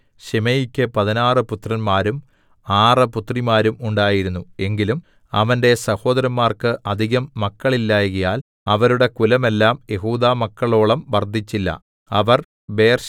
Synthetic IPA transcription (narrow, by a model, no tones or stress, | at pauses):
ɕemejikʲːɨpɐðinaːrɨput̪rɐnmaːɾum | aːrɨput̪rimaːɾumuɳɖaːjiɾunːue̞ŋɡilum | ɐ̰ʋɐnde̞sɐho̞ːd̪ɐɾɐmːaːrkɨʔɐd̪ʱiɣɐmːɐkːɐɭilːaːjɣɐjaːl | ɐʋɐɾuɽe̞kulɐme̞lːaːmje̞ɦuːd̪aːmɐkːɐɭo̞ːɭɐmʋɐrd̪ʱit͡ɕːilːɐ̰ | ɐʋɐr | beːrɕ